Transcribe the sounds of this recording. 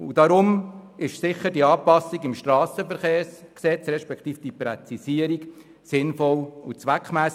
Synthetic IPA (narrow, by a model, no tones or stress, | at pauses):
ud̥ɑɾʊmɪʃsɪχədiɑːpɑsiɡɪmʃtɾɑːsəfəɾχeːɾsksɛt͡sɾɛʃpɛkχt̪iːfd̥ipɾɛt͡sisiəɾik | sɪnfɔlut͡sʋækχmæːs